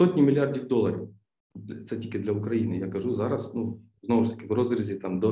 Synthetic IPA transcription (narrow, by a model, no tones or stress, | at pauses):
sotʲnʲɪmʲɪlʲɪardʲɪvd̪olˠːɐɾʲ | d̪ʲt̪sɐtʲikʲɪd̪lʲɐʊkɾɐinɨjaɡɐʐuzaɾɐsnu | znovʊʂt̪ɐ̥kʲɪvrozɾʲɪzʲɪt̪amd̪o